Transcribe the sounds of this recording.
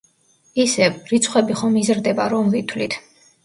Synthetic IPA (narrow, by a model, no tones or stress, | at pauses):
isɛvɾit̪sʰχwɛbiχɔmizɾd̪ɛbaɾɔmvit̪ʰwlit̪ʰ